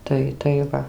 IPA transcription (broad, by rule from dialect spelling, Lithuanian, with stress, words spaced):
ˈtɐɪ tɐɪ ˈʋɐ